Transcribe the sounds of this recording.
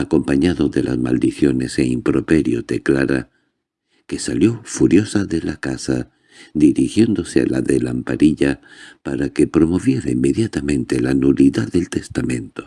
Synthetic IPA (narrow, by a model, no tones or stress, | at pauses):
ako̞mpaɲaðo̞ðe̞la̰zma̰ld̪iθjo̞ne̞seimpɾo̞pe̞ɾjo̞t̪eklaɾa | ke̞saljo̞fuɾjo̞saðe̞lakasa | ðiɾixje̞nd̪o̞sea̰laðe̞lampaɾiʎa | paɾake̞pɾo̞mo̞βje̞ɾaimːe̞ðjat̪amẽ̞nt̪e̞lanuliðaðe̞lt̪e̞st̪amẽ̞nt̪o̞